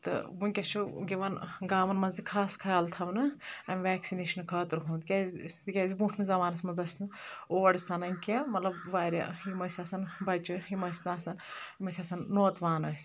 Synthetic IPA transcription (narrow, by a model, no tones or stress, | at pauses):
t̪ɨ̰bunʲkʲɐʃʰuɡʲeʋɐnɡaːmɐnmɐzd̪ikʰaːskʰɐalt̪ʰɐʋnɨɐmʲʋɛːksineːʃɐnkʰɐːt̪ɾɦũːnd̪kʲazt̪kʲaːzibũːʈʰmezɐʋaːnɐsmɐnzɐsʲnɨoːɐɽsɐnɐnʲkʲemɐt̪lɐbʋaːɾʲɐ̰imɐsʲɐsɐnbɐt͡ʃuimɐsʲnaːsɐnimɐsʲaːsɐnːoːt̪ʋaːnɐːsʲ